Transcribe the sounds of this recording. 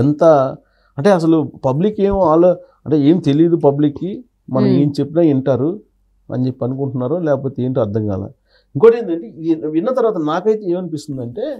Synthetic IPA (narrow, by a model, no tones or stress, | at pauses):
ɛnt̪ɐ | ɐɳʈe̞ːɐs̬ɐlupɐblikːe̞ːmuaːlːoː | ɐɳʈeːe̞ːmit̪e̞liːd̪upɐblikːi | mɐnɐme̞ːmit͡ʃe̞pːinaːiɳʈaːɾu | ɐ̰ɲd͡ʒe̞pːiɐnikuɳʈunːaːɾoːlɛːkɐp̬o̞ːt̪e̞ːɳʈːɐɾd̪ʱɐŋɡa̰ːla̰ | iŋkoːʈeːnd̪ɐɳʈiʋinːɐt̪ɐɾʋaːt̪ɐnaːkɐjt̪eeːmɐnipist̪und̪ɐɳʈe̞ː